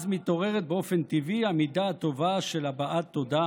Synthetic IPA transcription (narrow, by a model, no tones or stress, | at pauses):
zmit̪o̞ʁeʁet̪̚beo̞fent̪ivihamid̪aat̪o̞vaʃelabaʔat̪ːo̞d̪a